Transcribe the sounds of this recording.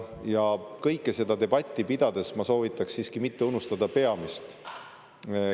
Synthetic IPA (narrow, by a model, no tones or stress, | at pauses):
jɑkɤjkːˑese̞d̪̥ɑd̪e̞b̥ɑt̪ʲˑːipid̪̥ɑd̪̥e̞smɑso̞ːvit̪ːˑɑksːiːskimit̪ːe̞unust̪ɑd̪ɑpe̞ɑmist̪